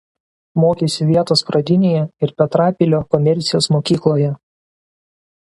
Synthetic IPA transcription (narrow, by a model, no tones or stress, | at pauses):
moːkʲesʲɪʋʲiɛt̪oːspɾɐd̪ʲɪnʲejɛɪɾpʲɛt̪ɾɑːpʲɪlʲoːkɔmʲɛɾʲt̪sʲɪjoːsmoːkʲiːklˠoːjɛ